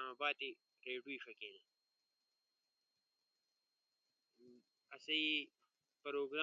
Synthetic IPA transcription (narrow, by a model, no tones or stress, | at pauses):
amabaːt̪i | ɾeːɖuiʂɐkel | ɐsɐi | pɐɾoːɡɾa